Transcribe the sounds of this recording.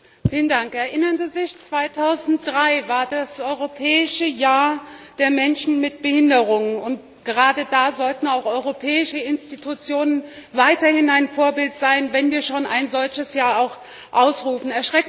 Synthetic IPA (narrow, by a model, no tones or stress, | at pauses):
fiːləndaŋkɛɐʔɪnɐnziːzɪçt͡sv̥aɪtʰaʊzn̩t̚d̥ʁaɪvaːɐdasʔɔʏʁopʰɛːɪʃəjaːɐd̥eːɐmɛnʃn̩mɪt̚b̥əhɪndəʁʊŋnʊnt | ɡ̥əʁaːdədaːzɔltn̩aʊxʔɔʏʁopʰɛːɪʃəɪnstitʰut͡sjoːnən | vaɪtɐhɪnaɪnfoːɐbɪltz̥aɪnvɛnviːɐʃoːna̰ɪnzɔlçəsjaːɐaʊx | ʔaʊsʁuːfn̩ɛɐʃʁ̥ɛk